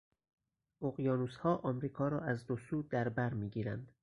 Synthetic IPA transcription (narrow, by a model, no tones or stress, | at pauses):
oɣjɒːnushɒːʔɒːmɾiːkʰɒːɾɒːæzd̪osuːd̪æɾbæɾmiːɟiːɾæ̰nd̪̥